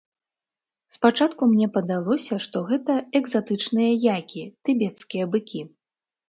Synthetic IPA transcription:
spat͡ʂat̪kumnʲɛpɐd̪alˠɔsʲɐʂt̪ɔɣɛt̪ɐɛɡzat̪ɨt͡ʂnɨjɐjakʲit̪ɨbʲɛt̪skʲijɐbɨkʲi

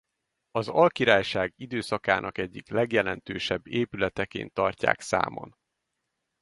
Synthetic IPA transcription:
ɒzɒlkiɾaːjʃaːɡid̪øːsɒka̰ːnʔɒkɛɟːiklɛɡjɛlɛnt̪øːʃɛbːeːpylɛt̪ɛkḛːnt̪ːɒrca̰ːksa̰ːmo̰n

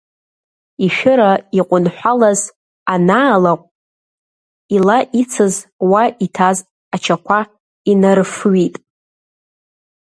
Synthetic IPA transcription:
iʃᶣʊɾaiqʷʼʊnħʷᶣalaz | anaːlaqʷʼ | ilaʔit͡sʰɨzwaʔitʰaz | at͡ʃʰakʷa | inaɾɨfɥitʼ

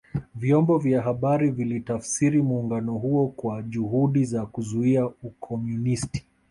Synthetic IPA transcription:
vjɔmbɔvjaɦaɓaɾivilitafsiɾimuːŋɡanɔɦuɔkwaʄuhuɗizakuzuiaukʰɔmjunisti̥

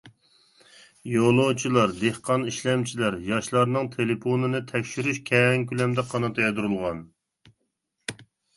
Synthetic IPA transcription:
jolˠot͡ʃʰilˠɑɾd̪ehqɑniʃlɛmt͡ʃʰilæɾjɑʃlˠɑɾnɨŋt̪ʰeleponɨnɨt̪ʰɛkʲʃyɾyʃkʲʰɛŋkʲylɛmd̪ɛqʰɑnɑt̪ʰɑjɛd̪uɾulˠʁɑn

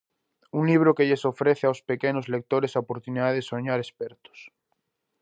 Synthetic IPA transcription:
uŋliβ̞ɾokeʎesofɾeθeaowspekenozlek̚t̪oɾesaopoɾt̪uniðaðesoɲaɾespeɾt̪o̥s

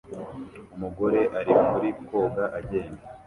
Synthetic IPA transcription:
umuɡo̞ɾe̞ʔaɾimuɾiko̞ːɡaʔaɟe̞ːnda

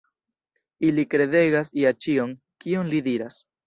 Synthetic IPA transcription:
ilikɾe̞de̞ɡasiat͡ʃio̞n | kio̞nlid̪iɾas

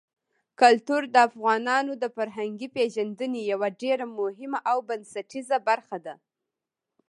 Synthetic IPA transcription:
kalt̪uɾd̪əafɣɑnɑnod̪əfaɾɦaŋɡipeʒand̪ənejawaɖeɾamʊɦɪmaʔawbansaʈizabaɾxad̪a

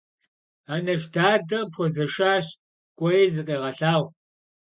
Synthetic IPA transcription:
aːnɐʃdaːdɐpʰɔzɐʂaːɕ | kʷʼɔjezɨqʼeːʁɐɬaːʁʷ

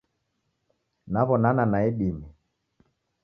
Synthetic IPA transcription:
naβɔnananaɛɗimi

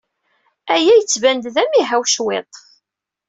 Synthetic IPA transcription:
æjæjət͡sːvænd̪ðæmiɦæwʃwet̪ˤ

